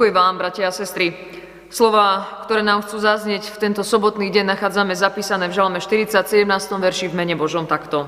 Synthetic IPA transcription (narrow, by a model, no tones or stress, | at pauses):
ujɛʋaːmbɾacɛasɛst̪ɾi | slɔʋaːkt̪ɔɾɛːnaːmxt͡suːzazɲɪɛcft̪ɛnt̪ɔsɔbɔt̪niːɟɛnnaxaːd͡zamɛzapiːsanɛːvʒalmɛʃt̪iɾit͡sacsɛɟɛmnaːst̪ɔmʋɛɾʃivmɛɲɛbɔʒɔmt̪akt̪ɔ